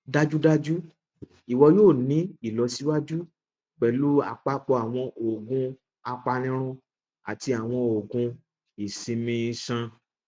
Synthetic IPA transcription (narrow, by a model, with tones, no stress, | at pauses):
da˧d͡ʒu˦da˦d͡ʒu˦ | i˨wɔ˧joː˦˨nĩ˨˦i˦˨lɔ˧˦si˦wa˦d͡ʒu˦ | k͡pɛ˨lu˦a̰˨k͡pa˧˦k͡pɔ˧a˨w̃ɔ̃˧ʔo˨ɡũ˧ | a˧k͡pa˧nĩ˦ɾ̃ũ˧ | a˨ti˧a˨w̃ɔ̃˧o˨ɡũ˧ | i˨sĩ˧mĩ˧i˧sã˧